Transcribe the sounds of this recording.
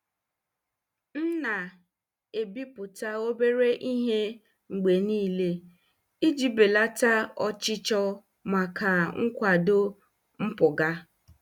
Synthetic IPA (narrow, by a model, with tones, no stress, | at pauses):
n̩˦na˨ | e˨bi˦pʊ˨ta˦o˦be˦ɾe˦ʔi˦ɦe˦ | ŋ͡m̩˨ɡ͡be˨niː˦le˦ | i˦d͡ʒi˦be˨la˦ta˦ɔ˦t͡ʃɪ˦t͡ʃɔ˦ | ma˨kʰa˨ŋ̩˦kʷa˨do˦ | m̩˦pʊ˨ɡa˦